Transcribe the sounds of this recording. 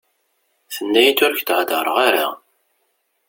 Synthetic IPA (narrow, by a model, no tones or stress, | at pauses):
θənːæjit̪ːʊɾçt̪ʕd̪əɾˤəʁaɾa